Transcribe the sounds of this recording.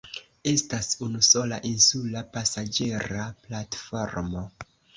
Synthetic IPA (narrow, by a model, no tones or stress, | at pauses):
e̞stasunuso̞laʔinsulapasad͡ʒe̞ɾaplatfo̞ɾmo̞